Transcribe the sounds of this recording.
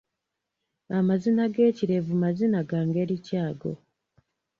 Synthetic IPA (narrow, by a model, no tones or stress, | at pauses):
amazinaɡe̞ːciɾe̞vumazinaɡaːŋɡe̞ɾicaːɡo̞̰